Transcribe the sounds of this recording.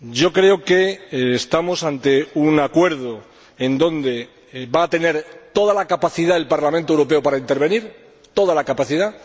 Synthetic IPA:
ɟ͡ʝo̞kɾe̞oke̞ːst̪amo̞sant̪e̞unakwe̞ɾð̞o̞ | e̞nd̪õ̞nd̪e̞ | baːt̪e̞ne̞ɾt̪o̞ðalakapaθiðae̞lpaɾlamẽnt̪oewɾo̞p̬e̞opaɾaint̪e̞ɾβe̞niɾ | t̪o̞ð̞alakapaθiða

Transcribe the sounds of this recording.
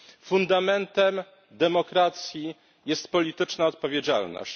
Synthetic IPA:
fund̪amɛnt̪ɛm | d̪ɛmɔkɾat̪sʲji | jɛst̪pɔlʲit̪ɘt͡ʂnaɔt̪̚pɔvʲjed͡ʑa̰lnɔ̰ɕt͡ɕ

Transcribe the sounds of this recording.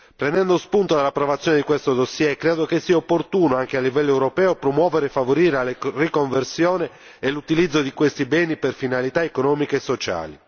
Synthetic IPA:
pɾenɛnd̪ospunt̪od̪elapɾovat̪sːjɔːned̪ikwest̪od̪osːjɛkːɾeːd̪okesːiːaopːort̪uːnoaŋk̟ealːivɛlːoɛwɾopɛːopɾomwɔːveɾefːavoɾiːɾealrikoɱversjɔːne | elut̪ilid̪zːod̪ikwest̪ibɛːniperfinalit̪aekonɔːmikeesːot͡ʃa̰ːli

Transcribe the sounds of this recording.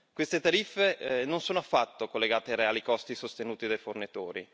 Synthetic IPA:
kwest̪et̪aɾifːenonsoːnoafːat̪ːokolːeɡaːt̪eaɾeaːlikɔst̪isost̪enuːt̪id̪ajfornit̪oːɾḭ

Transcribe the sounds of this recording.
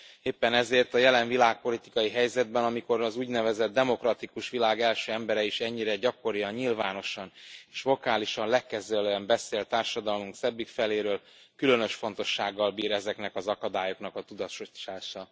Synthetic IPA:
eːpːɛnɛzeːrt̪ɒjɛlɛɱvilaːk̚po̞lit̪i̥kɒjiɦɛjzɛd̪̚bɛnɒmiko̞ɾɒzuːɟnɛvɛzɛd̪̚ːɛmo̞krɒt̪ikuʃʋilaːɡɛlʃøːɛmbɛɾɛiʃɛɲːiɾɛɟɒko̞ɾijɒɲɲilvaːno̞ʃɒneːʃvo̞kaːliʃɒnlɛkːɛzøløɛmbɛseːlt̪aːrʃɒd̪ɒlmuŋksɛbːikfɛleːɾøːl | kylø̞nø̞ʃfo̞nt̪o̞ʃːaːɡːɒlbiːɾɛzɛknɛkɒzɒkɒd̪aːjo̞kn̪ɒkɒt̪ud̪ɒʃoʃaːʃɒ

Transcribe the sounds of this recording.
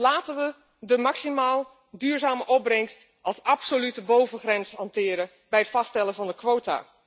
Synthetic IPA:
laːtənʋə | dəmɑksimaːlˠ | dyːɹzaːməʔɔb̚rɛŋst | ʔɑlˠsɑpsolytəbowvənχrɛnshɑntɪːɾə | bɛjətfɑstɛləvɑndəkʋowta̰ː

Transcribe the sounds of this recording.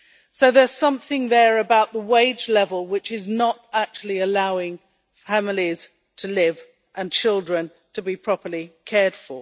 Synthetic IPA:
soʊðə˞z̥sʌ̃mθɪ̃ŋðə˞ɨbaʊʔ̪̚ðəweɪd͡ʒlɛvəlˠwɪt͡ʃɪznəɾæk̚t͡ʃul̩ˠiɨlaʊɪ̃ŋ | fæml̩ˠiz̥ | tʰəlɪv | ʔə̃nt͡ʃʰɪlˠdɹɨ̃n | tʰəbipʰɹ̥ɑpə˞likʰɛɹd̥fə˞

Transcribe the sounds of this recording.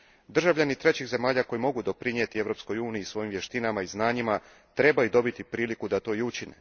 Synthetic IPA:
d̪r̩ʒaʋʎanit̪ɾe̞t͡ɕixze̞maːʎako̞jimo̞ɡud̪o̞pɾinjet̪ie̞ʋɾo̞ːpsko̞juːniiːsʋo̞jimʋje̞ʃt̪inamaiznaːɲima | t̪ɾe̞bajud̪o̞bit̪ipɾiːlikud̪at̪o̞ːiut͡ɕinḛ

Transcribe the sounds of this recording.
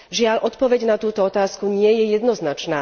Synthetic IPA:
ʒɪaʎʔɔt̪pɔʋɛɟnat̪uːt̪ɔɔt̪aːskuɲɪɛjɛjɛd̪nɔznat͡ʃnaː

